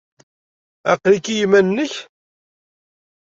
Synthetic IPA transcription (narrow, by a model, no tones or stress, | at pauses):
æ̰qlikːijimænːəç